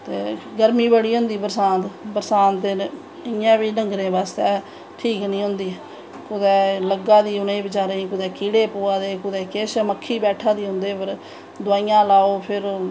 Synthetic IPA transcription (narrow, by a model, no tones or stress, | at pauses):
t̪eːɡəɾmĩːbəɽiːɦʊ̃nd̪iːbəɾsãːt̪bəɾsaːnt̪e | ɪjãːbiːnəŋɡɾẽːbaːst̪ɛː | ʈʰiːknĩːɦʊ̃nd̪iː | kʊd̪ɛːləɡaːd̪iːʊnẽːĩːbət͡ʃaːɾeːĩːkʊd̪ɛːkiːɽeːpoːaːd̪eːkʊd̪ɛːkeːʃməkʰːiːbɛːʈʰãːd̪iːɦʊ̃nd̪eːpəɾ | d̪ʊaːijãːlaːoːpʰɪɾ